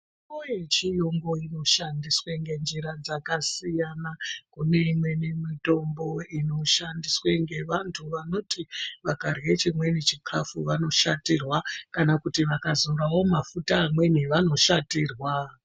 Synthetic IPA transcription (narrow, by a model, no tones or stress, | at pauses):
ikoje̞t͡ʃijo̞ŋɡo̞ino̞ʃandisweŋɡe̞nd͡ʒiɾad͡zakasijanakune̞imwe̞ne̞mito̞mbo̞ino̞ʃandisweŋɡe̞ʋantʰuʋano̞tiʋakarje̞t͡ʃimwe̞nit͡ʃikʰafuʋano̞ʃatirwakanakutiʋakazoɾawo̞mafutamwe̞niʋano̞ʃatiːrwa